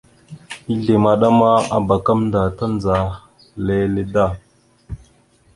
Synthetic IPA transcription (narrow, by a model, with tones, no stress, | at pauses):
i˦ɮe˨ma˨ɗa˦ma˦a̰˨ba˨ka˦mnda˨ta˦nd͡za˨ | le˦le˦da˦˨